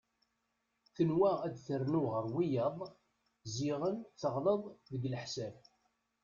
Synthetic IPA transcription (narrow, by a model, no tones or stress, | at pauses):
θənwææd̪θərnuʁəɾwijɑðˤ | zɪʁənt͡sːəʁləðˤðəɡləħsæv